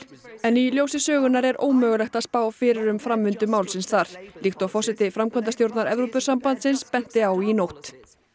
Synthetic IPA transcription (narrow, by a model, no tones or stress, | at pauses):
ɛniljoːwsɪsœːɣʏnaɾɛɾo̰ːwmœːɣʏlɛxt̪aðspaːwafɪːɾɪɾʏmfɾamːʏnt̪ʏmaːwlsɪnsθaɾ̥lixt̪ʏawfɔrsɪt̪ɪfɾamkʰœnt̪̬ast̪jowɾt̪naɾɛvɾowpʏsampant̪sɪnspɛn̥t̪ɪawinowt̪